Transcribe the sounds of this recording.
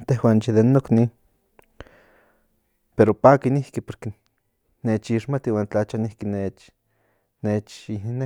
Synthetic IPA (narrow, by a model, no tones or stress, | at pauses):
t̪eɦwant͡ʃiðenːokni | peɾopaːkinihkipoɾke | net͡ʃiʃmat̪iwaːnt͡ɬat͡ʃanihkinet͡ʃ | net͡ʃine